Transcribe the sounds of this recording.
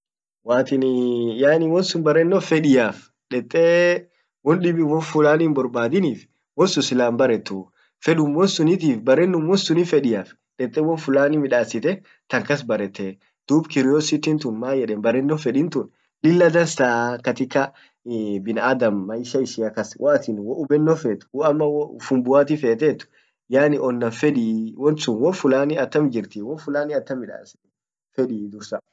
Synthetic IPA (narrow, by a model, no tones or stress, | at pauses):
waːt̪ɪnjaːnɪwɔnsʊnbɐɾɛnːɔfɛᶑɪjaːf | ᶑɛt̪ʼːɛː | wɔnɗɪbɪwɔnfʊlaːnːmbɔɾbaːd̪ɪniːf | wɔnsʊsɪlaːmbɐɾɛt̪ːʊ | fɛᶑʊmːɔnsʊnɪt̪̬iːfbɐɾɛnːʊmwɔnsʊnɪfɛᶑɪjaːf | ᶑɛt̪ʼːɛwɔnfʊlaːnɪmɪᶑaːsɪt̪ɛ | t̪ɐŋkɐs̬bɐɾɛt̪ːɛ | d̪̥uːbkɪɾɪjɔsɪt̪ɪnt̪ʊnmaːjɛᶑeːnbɐɾːɛnːofɛᶑɪnt̪ʊn | lɪlːɐd̪ɐnsaːkɐt̪ɪkːɐ | bɪnɐad̪ɐmːɐjʃɐɪʃɪɐkɐswʔaːt̪ɪnwɔʔʊbɛnːɔfeːt̪ʊ̥wɔɐmːɐwfʊmbʊaːt̪ɪfeːt̪et̪ːʊ̥ | jaːnɪʔɔnːɐnfɛᶑiwɔnsʊnwɔfʊlaːniɐt̪ːɐmd͡ʒɪɾt̪iwɔfʊlaːniɐt̪ːɐmːɪᶑa̰ːsɪ̥t̪ɛ | fɛᶑid̪ʊɾsɐ